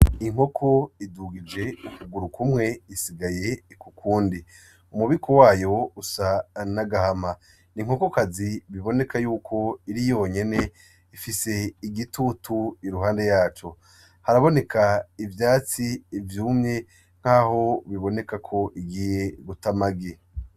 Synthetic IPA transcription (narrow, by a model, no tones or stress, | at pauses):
iŋ̥ho̞kʰo̞iduɡid͡ʒe̞ukuɡuɾukumŋe̞isiɡaje̞kukʰuːndi | umuβikʰowaːjo̞usanaɡahama | niŋ̥o̞kokaziβiβo̞ne̞kajuːkʰo̞iɾijo̞ɲe̞ne̞ | ifise̞iɡitutuiɾuɦaːnde̞jaːt͡ʃo̞ | haɾaβo̞ne̞kʰaivjaːt͡siːvjuːmɲe̞ | ŋ̥haːho̞βiβo̞ne̞kakʰo̞ʔiɡiːje̞ɡutamaɡe